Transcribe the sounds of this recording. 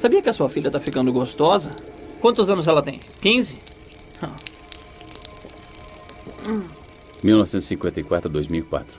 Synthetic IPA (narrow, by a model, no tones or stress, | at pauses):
sabiɐkɪɐsuɐfilʎɐt̪afikɐ̃nd̪ʊɡost̪ɔzɐkwɐ̃nt̪ʊzɐ̃nʊzɛlɐt̪ẽj̃kĩzɪ | hɐ̃ | miwnɔvɪsẽz̥ɪsĩkwẽnt̪ɐikwat̪ɾʊd̪ojzmiwikwa̰t̪ɾʊ